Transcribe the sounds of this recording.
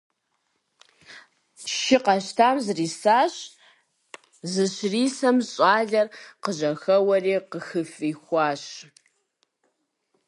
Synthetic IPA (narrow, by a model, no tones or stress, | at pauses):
ʃɪqɐʃtʰaːmzriːsaːɕ | zɨɕriːsɐmɕʼɑːɮɐrqəʑɐxɐwɐriːqəxɨfiːxʷɑːɕ